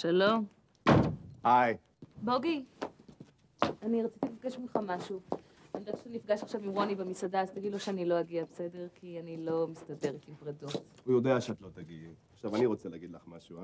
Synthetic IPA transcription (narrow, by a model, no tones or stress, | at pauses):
ʃalo̞m | haj | bo̞ɡi | aniʁat͡sit̪ilfɡeʃmilχamaʃu | anid̪atenifɡaʃaχʃavimʁo̞nibemisadaːzt̪aɡidloʃeanilo̞aɡiabese̞de̞ʁkʰianilo̞mistɐbe̞ʁetimpʁedotujo̞deaʃeat̪lo̞t̪aɡiaχʃavaniʁo̞t͡selɛːɡid̪laχmaʃua